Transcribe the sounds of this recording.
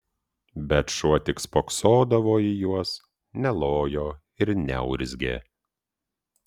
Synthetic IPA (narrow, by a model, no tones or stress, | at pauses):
bʲɛt̪ʃuɔt̪ʲɪkspoksoːd̪ɐʋoːijuɔs | nʲɛlˠoːjoː | ɪɾnʲɛ̰ʊɾʲzʲɡʲḛː